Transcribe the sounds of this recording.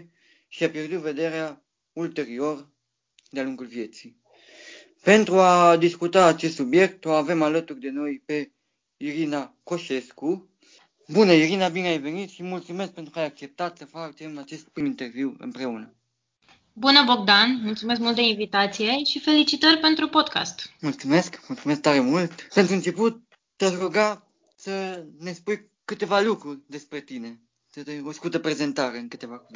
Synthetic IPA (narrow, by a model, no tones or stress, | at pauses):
ʃiapje̞rd̪ut̪ve̞d̪e̞ɾea | ult̪e̞ɾio̞r | d̪ealuŋɡulvije̞t̪si | pe̞nt̪ɾuad̪iskut̪aːt͡ʃest̪subje̞k̚t̪o̞ave̞malət̪urʲd̪e̞no̞jpe̞ | iɾinako̞ʃe̞sku | bunəiɾinabineajve̞nit̪ʃimult̪sume̞sk̚pent̪ɾukəajak̚t͡ʃe̞p̚t̪at̪səfat͡ʃemat͡ʃe̞st̪̚pɾimint̪e̞rviwɨ̰mpɾe̞unə | bunəbo̞ɡ̚d̪anmult̪sumes̬kmult̪d̪einvit̪at̪sije̞ʃife̞lit͡ʃit̪ərʲpe̞nt̪ɾupo̞d̪ka̰st̪mult̪sume̞skmult̪sumeskt̪aɾemult̪pe̞nt̪ɾuɨnt͡ʃeput̪̚ː | eaʃroɡa | səne̞spuj | kɨt̪e̞valukɾurʲd̪e̞spɾe̞t̪ine̞ | t̪ət̪eoskut̪əpɾe̞ze̞nt̪aɾe̞ɨnkɨt̪e̞vak